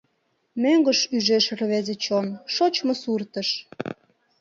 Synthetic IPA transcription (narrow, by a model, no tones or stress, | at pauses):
møŋɡəʃyʒeʃrβezet͡ɕonʃot͡ɕmosurt̪əʃ